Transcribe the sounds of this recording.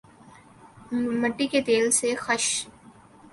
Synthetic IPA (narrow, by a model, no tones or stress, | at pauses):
mɐʈːiket̪eːlsexɐʃ